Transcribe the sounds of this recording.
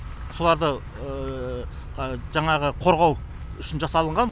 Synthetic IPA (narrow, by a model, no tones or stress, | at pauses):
so̞lˠɑɾd̪ə | ʒɑɴɑʁəqʰo̞ɾʁɑw | ʏʃɪnʒɑsɑlˠəɴʁɑn